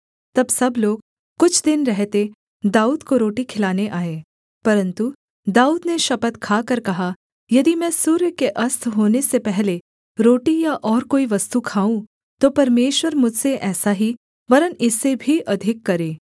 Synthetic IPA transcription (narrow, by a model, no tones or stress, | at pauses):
t̪ɐbsɐbloːɡ̚ | kʊt͡ʃʰd̪ɪnɾɛɦt̪e | d̪aːuːd̪koɾoːʈikʰɪlaːneʔaːeː | pɐɾə̃nt̪u | d̪aːuːd̪neʃɐpət̪kʰaːkɐɾkɐɦa | jɐd̪imɛ̃ːsuːɾjəkeʔɐst̪ʰɦoːnesepɛɦle | ɾoːʈijaʔɔːɾkoːiʋɐst̪ukʰaːũ | t̪opɐɾmeːʃwəɾmʊd͡ʒʱseʔɛːsaɦi | ʋɐɾənɪsːebʱiʔɐd̪ʱɪkːɐɾeː